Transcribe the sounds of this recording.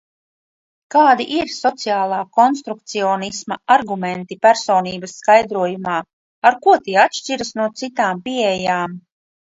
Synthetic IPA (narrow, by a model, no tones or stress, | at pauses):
kaːd̪iʔiɾsɔt̪sijaːlˠaːkɔnst̪ɾuk̚t̪siɔːnismɐaɾɡumɛnt̪ipæɾsoːniːbɐsːkajd̪ɾuɔjumaː | aɾkuɔt̪iːat̪ʃt͡ʃiɾasnuɔt̪sit̪aːmpiejaːm